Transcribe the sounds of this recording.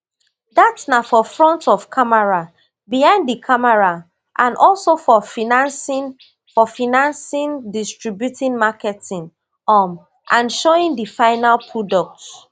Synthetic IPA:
datnafɔfɹɔ̃ntɔv̥kʰamɛɹa | bijãnddikʰamɛɹa | ʔãnʔɔlsofɔfinãnsin | fɔfinãnsĩndistɹibjutĩnmakɛtʰĩn | ɔm | ʔãnʃoĩndifaɪnalpʰɹɔdɔk̚ts

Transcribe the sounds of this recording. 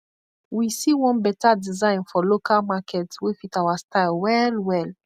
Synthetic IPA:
wisiwɔ̃nbɛtadizãɪ̃nfɔlokʰalmakʰɛtswifitawastaɪlwɛlwɛl

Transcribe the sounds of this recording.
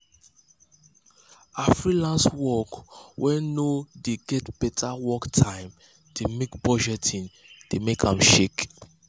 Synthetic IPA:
afɹilãnswɔkwʔɛnodeɡɛtb̥ɛtʰawɔktʰãɪ̃m | d̥emekbɔd͡ʒɛtʰĩn | d̥emekʰãmʃek

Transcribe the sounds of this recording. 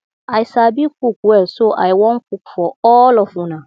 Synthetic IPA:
aisabikukuɛsoʔa̰iwɔŋ̩kuku̥fɔɔlɔfũnã

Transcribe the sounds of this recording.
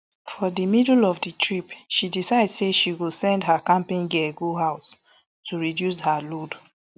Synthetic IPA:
fɔdimidlɔvditʰɹipʃidisaɪdseʃiwilsɛ̃ndɦakãmpĩnɡɛɡuɦaʊs | tuɹidjus̬halod

